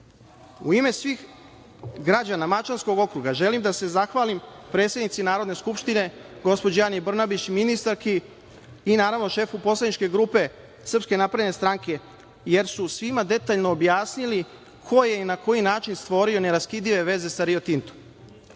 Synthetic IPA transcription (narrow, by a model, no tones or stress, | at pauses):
ṵime̞sʋix | ɡɾad͡ʑanamat͡ʃansko̞ɡo̞kɾuɡaʒe̞limd̪ase̞zaxʋaːlimpɾe̞ːt̪sjed̪nit̪sinaːɾo̞d̪ne̞skupʃt̪ine̞ɡo̞spo̞d͡ʑejanijbr̩nabit͡ɕminist̪aɾkiː | naːɾaʋno̞ʃe̞ːfupo̞slˠad̪it͡ʃke̞ɡɾuːpe̞ | sr̩pske̞napɾaene̞st̪ɾaŋke̞ | je̞ɾsusʋimad̪e̞t̪aːʎno̞ːbjaːsnili | kʰo̞je̞nako̞jinaːt͡ʃinst̪ʋo̞ɾio̞ne̞ɾaskid̪iʋe̞ʋe̞ze̞saɾio̞t̪int̪o̥m